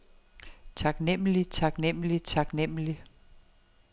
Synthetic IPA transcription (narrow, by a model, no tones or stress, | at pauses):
t͡sʰɑ̈ɡ̥nem̰lit͡sʰɑ̈ɡ̥nem̰lit͡sʰɑ̈ɡ̥nem̰li